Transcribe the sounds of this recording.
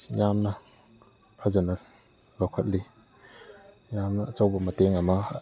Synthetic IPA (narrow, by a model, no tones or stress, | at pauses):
jamnɐ | pʰazanɐk̚ | lowkʰɐt̚li | jamnɐːt͡sawbɐmɐteŋɐmɐ